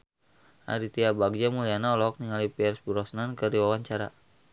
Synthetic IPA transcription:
ʔa̰ɾit̪iabaɡ̚d͡ʒamulianaɔlɔɔk̚niŋalipiɛrsbuɾɔsnankərdiwawaɲt͡ʃaɾa̰

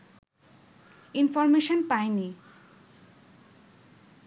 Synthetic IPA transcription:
infɔɾmeʃonpaeni

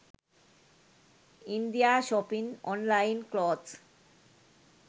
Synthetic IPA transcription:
ind̪ijaʃɔpiŋɔ̰nlajnklod͡ʑ

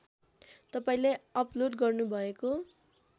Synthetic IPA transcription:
t̪ʌpaĩlajʌploɖɡʌrnubʱʌeko

